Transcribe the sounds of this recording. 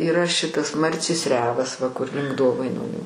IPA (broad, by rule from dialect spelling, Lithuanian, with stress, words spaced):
iːˈrɐ ˈʃʲɪtɐs ˈmɐrʲt͡sʲeːs ˈrʲæːʋɐs ʋɐ kʊr lʲɪŋk ˈdoːʋɐɪnoːnʲuː